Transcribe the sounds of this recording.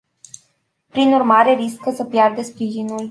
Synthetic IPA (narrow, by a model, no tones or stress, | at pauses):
pɾinurmaɾe̞ɾiskəsəpjard̪espɾiʒinul